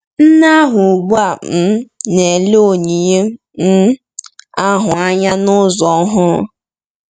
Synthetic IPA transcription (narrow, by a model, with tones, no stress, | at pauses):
n̩˦na˦a˦ɦʊ˨ɡ͡ba˦˨m̩˨ne˨le˦o˨ɲi˨ɲe˦ | m̩˦ | a˦ɦʊ˨a˦ɲa˦nʊ˦zɔ˨˦ɦʊ˦